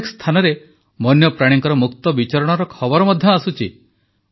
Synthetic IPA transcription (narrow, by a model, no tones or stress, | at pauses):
kst̪ʰanɔɾe | mɔnjɔpɾaɽ̃iŋkɔɾɔmuk̚t̪ɔbit͡ʃaɾɔɽ̃ɔɾɔkʰɔbɔɾɔmɔd̪ʱjɔasut͡ʃʰi